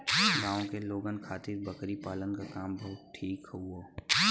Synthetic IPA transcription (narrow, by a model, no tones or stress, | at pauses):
ɡaːõkeloːɡənkʰaːt̪ɪɾbɐkɾipaːlənkakaːmbɐɦʊt̪̚ʈʰiːkuoː